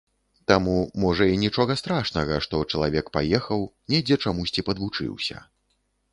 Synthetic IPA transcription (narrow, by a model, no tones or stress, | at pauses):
t̪amumɔʐɐinʲit͡ʂɔɣɐst̪ɾaʂnɐɣɐʂt̪ɔt͡ʂɐlˠavʲɛkpajɛxɐwnʲɛjd͡zʲɛt͡ʂamusʲt͡sʲipɐd̪vut͡ʂɨ̰wsʲɐ̰